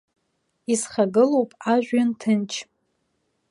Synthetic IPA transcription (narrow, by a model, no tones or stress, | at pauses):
isχaɡɨlowpʼaʒᶣʷɥantʰɨnt͡ʃʰ